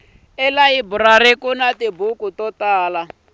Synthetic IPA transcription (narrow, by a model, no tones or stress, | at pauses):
ɛlaibuɾaɾekunatibukutɔtaːla